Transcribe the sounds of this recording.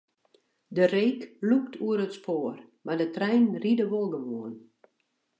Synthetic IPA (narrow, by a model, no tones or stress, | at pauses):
dəreːkluk̚tʰuəɾətspoərmadətrɛjnridəʋolˠɡəʋoən